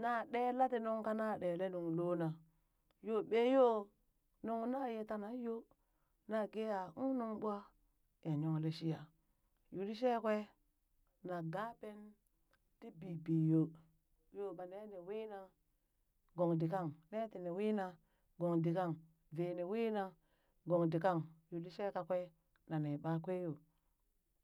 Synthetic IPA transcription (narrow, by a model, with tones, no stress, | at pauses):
na˦ɗe˦la˦ti˨nu˦ŋka˦na˦˨ɗe˨le˦nu˨ŋ˨lo˦na˨ | jo˦ɓe˦jo˦ | nu˦ŋ˦na˦je˦ta˦na˨˦jo˦ | na˦ɡe˦ja˨u˦nu˦ŋɓu˦a˦ | ja˨ɲo˨ŋle˨ʃi˦ja˨ | ju˨di˦ʃe˦kwe˦ | na˨ɡa˦pe˦n | ti˦bi˨bi˨jo˨ | jo˦ma˨ne˦ne˨wi˦na˦ | ɡo˨ŋdi˨ka˦˨ŋne˦ti˨ne˨wi˦na˨ | ɡo˨ŋdi˨ka˦˨ŋ | ve˨ne˨wi˦na˨ | ɡo˨ŋdi˨ka˦ŋju˨di˦ʃe˦ka˨kʷe˦ | na˨ne˨ɓa˦kʷe˦jo˨